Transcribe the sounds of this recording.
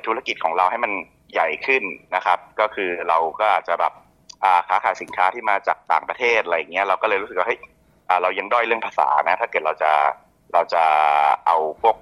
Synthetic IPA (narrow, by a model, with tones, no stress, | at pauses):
t̪ʰu˦˥a˧ki˨˩t̪̚kʰɔː˩˦ŋɾa˧wha˥˩jma˧n | ja˨˩jkʰɯ˥˩nːa˦˥kʰa˦˥p̚kɔː˥˩kʰɯː˧ɾa˧wkɔː˥˩ʔaː˨˩t̪̚t͡ɕa˨˩bɛː˨˩p̚ | ʔaː˨˩kʰaː˩˦xʰaː˩˦jsi˩˦nkʰaː˦˥t̪ʰiː˥˩maː˧t͡ɕa̰ː˨˩k̚t̪aː˨˩ŋpɾa˧t̪ʰeː˥˩t̪̚a˧a˧ja˨˩ŋːni˦˥ɐɾa˧wkɔː˥˩lɤː˧jɾu˦˥sɯ˨˩kwaː˥˩ɤ˥˩j | ʔəː˨˩ɾa˧wja˧ŋdɔː˥˩jɾɯ˥˩əŋpʰaː˧sa̰ː˩˦na˦˥t̪ʰa˥˩kɤː˨˩t̪̚ɾa˧wt͡ɕa˨˩ | ɾa˧wt͡ɕa˨˩ʔa˧wpo˥˩k̚